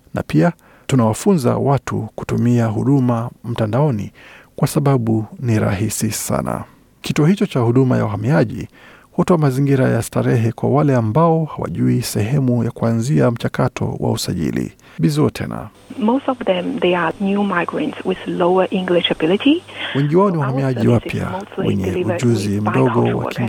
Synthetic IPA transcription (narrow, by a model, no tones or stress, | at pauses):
na̰pia | tunawafunza̰watʰuku̥tumiaɦuɗumam̩tandaɔnḭkwasaɓaɓuniɾa̰ɦisisa̰na̰ | kitɔhit͡ʃɔt͡ʃahuɗumaja̰uɦamiaʄḭhutɔamaziŋɡiɾajastaɾɛɦɛkwawalɛambaɔhawa̰ʄuisɛɦɛmujakuanziam̩t͡ʃakatʰɔ̰wa̰usaʄḭlḭ | ɓizuɔtʰɛ̰na̰ | moʊstɔvðɛ̃mðeənjumaɪɡɹə̃ntswɪð̥loʊə˞ʔɪ̃ŋɡlɪʃəbɪlɪtiwɛŋɡiwaɔniwahamiaʄiwapʰja̰olwɛ̰ɲɛud͡ʒuzim̩ɗɔɡɔwa̰kiŋ